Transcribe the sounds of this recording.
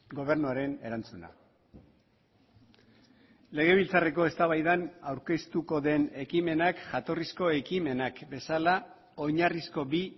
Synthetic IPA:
ɡo̞β̞e̞ɾnuaɾe̞ne̞ɾant͡suna̰ | le̞ɣ̞e̞β̞ilt͡sare̞ko̞e̞st̪aβajðanawɾke̞st̪uko̞ðe̞ne̞kime̞nakʝat̪o̞risko̞e̞kime̞nakbe̞sala | o̞ɲarisko̞bi

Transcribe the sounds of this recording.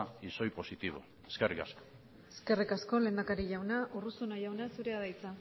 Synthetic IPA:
iso̞jpo̞sit̪iβo̞̰ | eskerikasko̥ | eske̞rikasko̞le̞ːnd̪akaɾiʝawnaʔurusunaʝawnasuɾe̞aðajt͡sa

